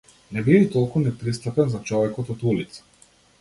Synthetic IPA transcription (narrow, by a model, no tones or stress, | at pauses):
nɛbivit̪ɔlˠkunɛpɾist̪apɛnzat͡ʃɔvɛkɔt̪ɔt̪ulit̪sḁ